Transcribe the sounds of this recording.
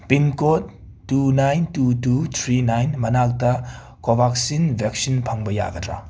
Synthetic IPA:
pinkotː | unajntutut̪ʰɾinajnmɐnak̚tɐ | kobʱaksinbʱek̚sinpʰɐŋbɐja̰ɡɐdɾa̰

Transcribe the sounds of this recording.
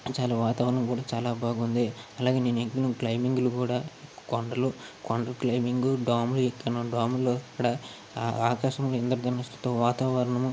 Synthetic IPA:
t͡ʃaːlaːʋaːt̪aːʋɐɾɐɳɐmkuːɽaːt͡ʃaːlaːbʱaːɡund̪iɐlaːɡe̞ːneːneɡinɐklɐjmiŋɡlukuːɽaːkɔɳɖɐlukɔɳɖɐklɐjmiŋɡuɖaːmluekːɐnɐɖaːmuloːɐkːɐɽa | aːkaːʃɐmloːind̪ɐɾud̪ɐnːɐst̪u̥t̪oːʋaːt̪aːʋɐɾɐɳɐm

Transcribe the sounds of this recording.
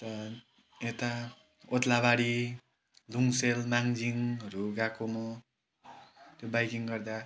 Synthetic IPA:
t̪ʌ | et̪a | ot̪labaɽi | luŋselmaŋd͡ziŋʌɾuɡakomo | t̪jobajkiŋɡʌrd̪a

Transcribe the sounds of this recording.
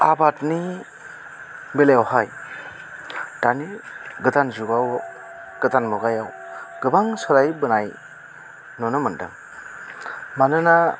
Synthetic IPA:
abatni | beleawhaj | taniɡɯtanzuɡaw | ɡ̥ɯtanmɔɡajawɡ̥ɯbaŋsɔɾajbɯnaj | nɔnɯmɯndɯ̰ŋ | manɯna

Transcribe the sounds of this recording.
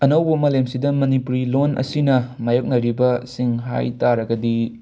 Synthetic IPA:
ɐnɐwbɐmɐlemsidɐmɐnipuɾilonʔɐ̰sinɐmajok̚nɐɾibɐsiŋɦa̰jtaɾɐɡɐdi

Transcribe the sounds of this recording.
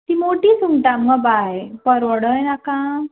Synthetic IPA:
t̪imoʈisuŋɡʈamɡabajpəɾʋɔɽəjnakã

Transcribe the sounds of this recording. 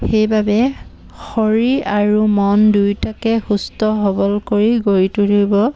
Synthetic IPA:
xejbabɛ | xɔɹiaɹumɔndujtakɛxustɔɦɔbɔlkoɹiɡoɹitudibɔ

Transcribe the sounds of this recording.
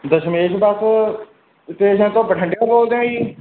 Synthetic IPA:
d̪əʃmeːd͡ʒbəs | t̪eːd͡ʒãːt̪õːpəʈʰə̃ɳɖjãːboːld̪jãːiː

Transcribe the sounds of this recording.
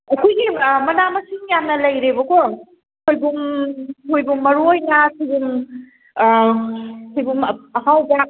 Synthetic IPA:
ɐkʰujɡimɐnamɐsiŋjamnɐlɐjɾebɐkɔɾŋ | kʰojbuŋkʰojbuŋmɐɾujnasibuŋ | sʰijbuŋɐɦawba

